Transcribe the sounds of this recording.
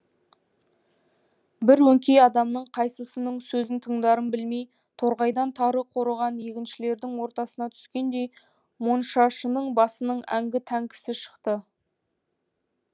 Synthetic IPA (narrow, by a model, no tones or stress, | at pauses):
bɪɾwɵŋkʲe̞jɑd̪ɑmnəɴqʰɑjsəsənəɴsɵzɪnt̪ʰəɴd̪ɑɾəmbɪlme̞j | t̪ʰo̞ɾʁɑjd̪ɑnt̪ʰɑɾəqʰo̞ɾəʁɑnje̞kʲɪnʃɪle̞ɾd̪ɪŋwo̞ɾt̪ɑsənɑt̪ʰʏ̥skʲe̞nd̪e̞j | monʃɑʃənəɴbɑsənəɴæ̰ŋɡʲɪt̪ʰæŋkʲʰɪ̥sɪʃə̥qt̪ə